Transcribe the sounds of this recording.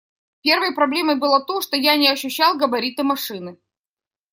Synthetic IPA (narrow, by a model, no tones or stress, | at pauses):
pʲe̞rvəjpɾɐblʲe̞məjbɨlˠat̪oʂt̪ojanʲɪɐɕːʉɕːalˠɡɐbɐɾʲit̪ɨmɐʂɨnɨ